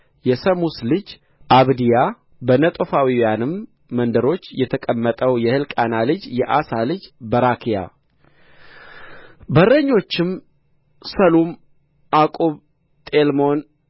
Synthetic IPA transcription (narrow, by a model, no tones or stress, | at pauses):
jɛsəmuslɨd͡ʒ | ʔaβd̪ija | bənət̪ʼofawiwjanɨmː | ənd̪əɾo̞t͡ʃːjɛt̪ʰəkʼəmːət̪ʼəwjɛhɨlkʼanalɨd͡ʒjɛʔasalɨd͡ʒbəɾakʰija̰ | bərːəɲːo̞t͡ʃːɪm | səlum | akʼoβ | t̪ʼelmo̞n